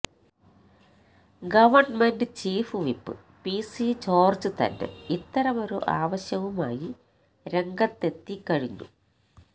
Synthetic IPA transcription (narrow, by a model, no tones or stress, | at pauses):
ɡɐʋɐrnmendɨt͡ɕiːfɨʋipːɨ̰ | pisit͡ɕoːrt͡ɕɨt̪ɐ̰nːe̞̰it̪ːɐɾɐmo̞ɾuʔaːʋɐɕjɐʋuma̰ːji | ɾe̞ŋɡɐt̪ːe̞t̪ːikːɐɻiɲːṵ